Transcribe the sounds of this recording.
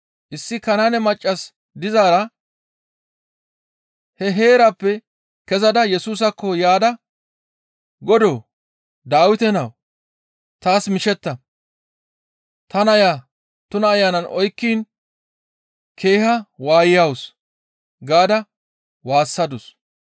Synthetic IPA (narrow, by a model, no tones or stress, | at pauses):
ʔɪsːɪkɐnanɛmɐt͡ʃʼːɐs | d̪ɪzaːɾɐ | hɛɦe̞ːɾɐpːɛ | kɛzɐd̪ɐjɛsuːs̬ɐkːɔjaːd̪ɐ | ɡɔd̪oː | d̪aːwɪt̪ɛnɐw | t̪aːsmɪʃɛt̪ːɐ | t̪ɐnɐjaː | t̪ʊnɐːjːaːnɐnʔɔjkːiːn | kʰe̞ːhɐwaːjɪjɐws | ɡaːd̪ɐ | waːsːɐd̪ʊs